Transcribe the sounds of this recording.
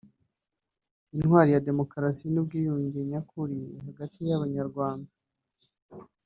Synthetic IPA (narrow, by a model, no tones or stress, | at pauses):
inhwaːɾijade̞mo̞kɾasinib̚ɡiːjuɲɟiɲakʰuɾiɦaɡatijaβaɲaɾɡwaːnda